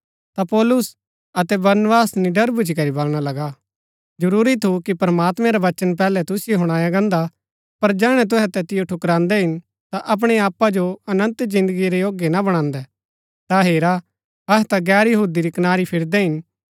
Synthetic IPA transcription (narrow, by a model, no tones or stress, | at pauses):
t̪apɔːlʊs | ɐt̪ɛbɐɾnbaːsnɪɖɐɾbʊd͡ʒikɐɾibɐlɽ̃alɐɡa | d͡ʒɐɾuːɾit̪ʰukipɾəmaːt̪mɛ̃ɾaʋɐt͡ʃənp̬ɛːlɛt̪ʊsɪjoɦʊɽ̃aːjaɡɐ̃ːnd̪a | pɐɾd͡ʒɛːɽ̃ɛt̪̬ʊɦɛt̪ɛt̪ɪjoʈʰʊkɾãːnd̪ɛɦɪn | t̪aʔɐp̬ɽ̃eaːpːad͡ʒoɐnə̃nt̪d͡ʒɪ̃nd̪əɡiɾɛjoːɡjenabɐɽ̃ãːnd̪ɛ | t̪aɦeːɾa | ɐɦɛt̪aɡɛːɾjɐɦuːd̪iɾikɐnaːɾipʰɪɾd̪ɛɦɪn